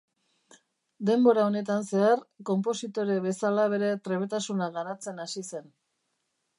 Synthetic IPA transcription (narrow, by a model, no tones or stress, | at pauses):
d̪e̞mbo̞ɾao̞ne̞t̪anse̞aɾko̞mpo̞sit̪o̞ɾeβe̞salaβ̞e̞ɾe̞t̪ɾe̞βe̞t̪asunaɣaɾat͡se̞nasise̞n